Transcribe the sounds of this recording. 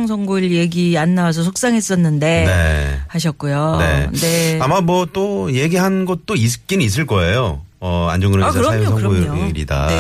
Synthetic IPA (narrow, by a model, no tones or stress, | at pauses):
ŋs̬ʰʌŋɡoɭje̞ɡianːawasʰʌs̬ʰok̚s͈aŋɦe̞s͈ʌnːɯnde̞nehaɕ̬ʰʌk̚k͈ujone̞̰ne̞amamwʌt͈ojeɡiɦannɡʌt̚t͈ois̬ʰɯ̥k̚k͈inis̬͈ɯɭk͈ʌejo | ʌa̰nd͡ʑoŋɡɯɾɯsʰaɾsʰajos̬ʰʌɡoɾḭda̰